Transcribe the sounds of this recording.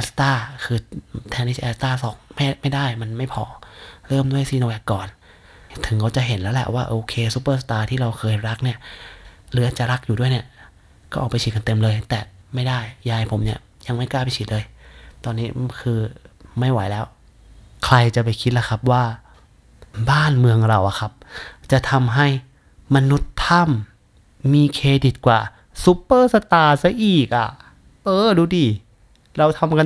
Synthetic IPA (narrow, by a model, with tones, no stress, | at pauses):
ʔɛ˧˥st̪aː˥˩kʰɯː˧t̪ʰɛː˧niː˧˥˩ʔɛː˧˥st̪aː˥˩sɔː˨˩˦ŋma˥˩ma˥˩jdaː˥˩jma˧nma˥˩jpʰɔː˧˩ɾɤː˥˩mdu˥˩əjsiː˧˩na˧wɛ˧˩kːɔː˨˩n | t̪ʰɯ˨˩˦ŋkʰa˧˩wt͡ɕa˨˩ɦe˨˩˦nlɛː˦˥wlɛ̰˨˩ʔwaː˥˩ʔoː˧kʰeː˧su˧˦˥pːɤː˥˩st̪aː˧t̪ʰiː˥˩ɾa˧wkʰɤː˧jɾa˦˥k̚ni˥˩ɐ | lɯ˦˥ɐt͡ɕa˨˩ɾa˦˥k̚juː˨˩du˥˩jni˥˩ɐ | kɔː˥˩ʔɔː˨˩pa˧jt͡ɕʰi˨˩ka˧nt̪e˧mlɤː˧jt̪ɛː˨˩ma˥˩jdaː˥˩jːaː˧jpʰo˩˦mni˥˩ɐ | ja˧ŋma˥˩jklaː˥˩pa˧jt͡ɕʰiː˨˦˩lɤː˧jt̪ɔː˧nːiː˦˥kʰɯː˧ma˥˩jwa̰˨˧˦jlɛː˦˧˥w | kʰla˧jt͡ɕa˨˩pa˨˩jkʰi˦t̪̚la˧˩kʰa˧p̚waː˧˥˩ | baː˥˩˨nmɯ˧əŋɾa˧˩wʔa̰˨˩kʰa˧˥p̚t͡ɕa˨˧˩t̪ʰa˧mɦa˥˩j | ma˧nu˧˥t̪ʰːa˧˥˨mː | iː˧kʰeː˧di˧˩t̪̚kwa̰ː˨˩ | su˧˦pːɤː˥˩sa˧t̪aː˧˩sa˧ʔiː˨˩k̚ʔa̰˧˩ | ʔɤː˧duː˧˦diː˧˩ | ɾa˧wt̪ʰa˧mka˧